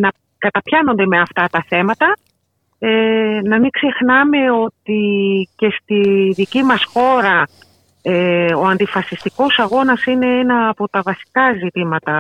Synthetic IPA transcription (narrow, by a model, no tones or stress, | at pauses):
nɐ | kɐt̪ɐpçɐno̞nd̪e̞me̞ɐft̪ɐt̪ɐθe̞mɐt̪ɐ | enɐmiɡ̥ze̞xnɐme̞o̞t̪ice̞st̪iðicimɐsxo̞ɾɐ | eo̞ɐnd̪ifɐsist̪iko̞sɐɣo̞nɐsine̞enɐːpo̞t̪ɐvɐsi̥kɐzit̪imɐt̪ɐ